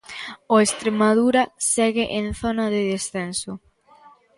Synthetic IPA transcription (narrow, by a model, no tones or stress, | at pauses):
oest̪ɾemaðuɾɐsɛɣɪʔenθonaðɪðesθensʊ